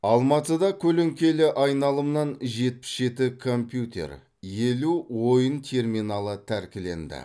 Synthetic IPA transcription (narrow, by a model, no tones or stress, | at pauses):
ɑlˠmɑt̪əd̪ɑkʲʰɵleŋkʲe̞lɪʔɑjnɑlˠəmnɑnʒe̞t̪̚pɪ̥sʒe̞t̪ɪkʰo̞mpjut̪ʲe̞̰ɾ | je̞luwo̞jənt̪ʲʰe̞rminɑlˠət̪ʰæɾkʲɪle̞̰nd̪ɪ̰